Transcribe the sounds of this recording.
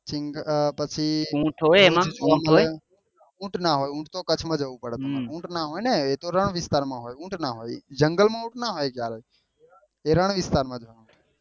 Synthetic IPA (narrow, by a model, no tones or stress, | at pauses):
t͡ʃɪŋɡpət͡ʃʰiũːʈʰɦojemãmal | ũːʈʰnaɦojũːʈʰt̪okət͡ʃʰmãd͡ʒəʋũpəɽt̪oũːʈnaɦojneet̪oɾəɳ̃ʋɪst̪aːɾmãɦoːjũːʈnaɦo̰ːjd͡ʒəŋɡəlmãũʈʰnaɦojkjaɾoj | eɾəɳ̃ʋɪst̪aːɾmãd͡ʒəʋũ